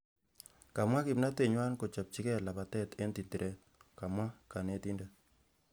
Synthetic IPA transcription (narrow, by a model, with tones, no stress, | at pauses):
ka˨mwa˦kɪ˨mna˦te˨ɲwa˦nko˨t͡ʃa˨p̚t͡ʃi˦kɛ˦la˨pa˨tɛ˦te˦nti˨nti˨ɾʔɛ˦t̚ | ka˨mwa˦ka˨ne˨ti˦nda˦